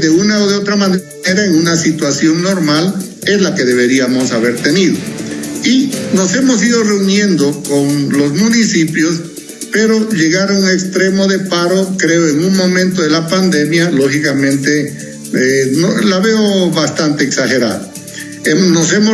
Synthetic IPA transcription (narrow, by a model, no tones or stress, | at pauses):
ðeunaoðeo̞t̪ɾaman | eɾaeŋunasit̪wasjo̞ŋno̞ɾmal | e̞zlake̞ðe̞βe̞ɾiamo̞saβe̞ɾt̪e̞niðo̞̰ino̞se̞mo̞s̬iðo̞re̞unje̞nd̪o̞konlo̞zmunisipjo̞s | pe̞ɾo̞ʎe̞ɣaɾaunekst̪ɾe̞mo̞ðe̞paɾo̞kɾe̞oe̞ŋunmo̞mẽnt̪o̞ðe̞lapand̪e̞mjalo̞xikamẽ̞nt̪e̞ | enolaβe̞oβast̪ant̪e̞ːksaxe̞ɾa̰ða | emno̞se̞mo